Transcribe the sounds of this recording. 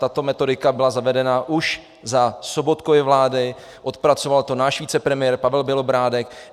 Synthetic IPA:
t̪at̪o̞mɛt̪o̞dɪkabɪlazavɛdɛnaʔuʃ | zaso̞bo̞t̪kovɪvlaːdɪ | ʔot̪pɾat͡so̞valt̪o̞naːʃviːt͡sɛpɾɛmɪjɛɾpavɛlbɪlo̞bɾaːdɛk

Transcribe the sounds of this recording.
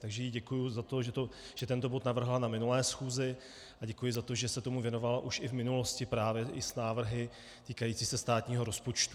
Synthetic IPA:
t̪aɡʒɛjiːɟɛkujuzat̪o̞ʒɛt̪o | ʒ̥ɛt̪ɛnt̪o̞bo̞t̪navr̩ɦlanamɪnulɛːsxuːzɪ | ʔaɟɛkujɪzat̪oʒɛsɛt̪o̞muvjɛno̞valaʔuʃɪvmɪnulo̞scɪpɾaːvjɛʔɪsnaːvr̩ɦɪ | t̪iːkajiːt͡siːsɛst̪aːt̪ɲiːɦo̞ɾo̞spo̞t͡ʃt̪u̥

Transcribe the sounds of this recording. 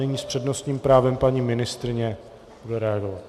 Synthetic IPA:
ɛɲiːspr̝̥ɛdno̞st̪ɲiːmpɾaːvɛmpaɲiːmɪnɪst̪ɾɪɲɛ | b̥udɛɾɛaɡo̞vat̪

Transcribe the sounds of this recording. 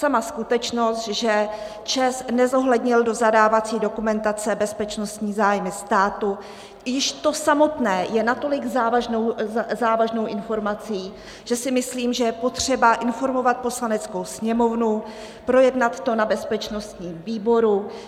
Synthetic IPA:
samaskut̪ɛt͡ʃno̞st̪ʒɛ | t͡ʃɛsnɛzo̞ɦlɛdɲɪldo̞zadaːvat͡siːdo̞kumɛnt̪at͡sɛbɛspɛt͡ʃno̞st̪ɲiːzaːjmɪst̪aːt̪u | jɪʃt̪o̞samo̞t̪nɛːjɛnat̪o̞lɪɡzaːvaʒnowzaːvaʒno̞wʔɪnfo̞ɾmat͡siː | ʒ̥ɛsɪmɪsliːmʒɛjɛpot̪r̝̥ɛbaʔɪnfo̞ɾmo̞vat̪̚po̞slanɛt͡sko̞wsɲɛmo̞vnu | pɾo̞jɛdnat̪ːo̞nabɛspɛt͡ʃno̞st̪ɲiːmviːbo̞ɾu

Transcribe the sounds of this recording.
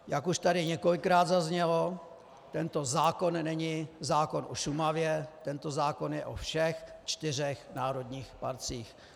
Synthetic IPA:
jakuʃt̪adɪɲɛko̞lɪkːɾaːd̪zazɲɛlo̞ | t̪ɛnt̪o̞zaːko̞nnɛɲɪzaːko̞nʔo̰ʃumavjɛt̪ɛnt̪o̞zaːko̞njɛʔofʃɛxt͡ʃt̪ɪr̝ɛxnaːɾo̞d̪ɲiːxpa̰ɾt͡siːx

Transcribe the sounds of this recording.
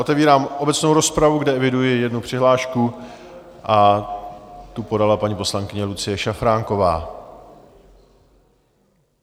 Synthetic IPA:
ot̪ɛviːɾaːmʔo̞bɛt͡snowɾo̞spɾavuɡdɛɛvɪdujɪjɛdnupr̥ɪɦlaːʃku | ʔa | t̪upo̞dalapaɲipo̞slaŋkɪɲɛlut͡sɪjɛʃafɾaːŋko̞va̰ː

